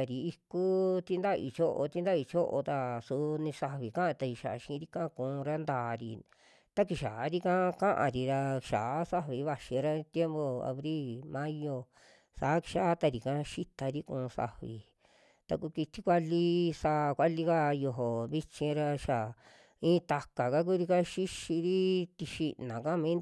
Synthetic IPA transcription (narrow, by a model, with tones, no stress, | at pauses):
a˨ɾi˨i˧ku˦t̪i˦nd̪a˦ʔḭ˧˨t͡ʃo˦ʔo˧t̪i˧˦nd̪a˦i˧t͡ʃo˦ʔo̰˧t̪a˧su˧nĩ˧sa˧βi˨kã˦a˧t̪a˧i˧ʃa˨˧ʃĩ˧˦ɾi˦kã˦˧kũː˨˧ɾa˦nd̪aː˨ɾi˧ | t̪a˦ki˧˨ʃa˨˦ɾi˦kã˦˧kã˦ʔã̰˧˨ɾi˧ɾa˧ʃa˨˦sa˦βi˨˦βa˧ʃĩ˨˧ɾa˦t̪je˦mbo˧a̰˧βɾi˦˨lmã˦jo˧ | saː˨˦ki̥˧ʃa˦t̪a˧ɾi˨kã˦˧ʃi˦t̪a˧ɾi˦kũː˧sa̰˧βḭ˨ | t̪a˧ku˧ki˧t̪ʰi˦kʷa˧li˦saː˦˧kʷa˦li˧ka˦jo˧ɦo˨βi˧t͡ʃĩ˧ɾa˧ʃa˨ | ĩː˦t̪a˧ka˨ka˦k̬u˦ɾi˧ka˦ʃi˦ʃi˧ɾi˦t̪i˧ʃi˧nã˨kã˦mĩː˨˦